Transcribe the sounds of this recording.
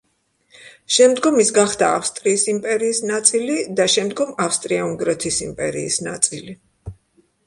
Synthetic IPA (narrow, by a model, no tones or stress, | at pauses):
ʃɛmd̪ɡɔmisɡaχd̪aːfst̪ʼɾiːsimpʼɛɾiːsnat̪sʼilid̪aʃɛmd̪ɡɔmafst̪ʼɾiauŋɡɾɛt̪ʰisimpʼɛɾḭːsna̰t̪sʼili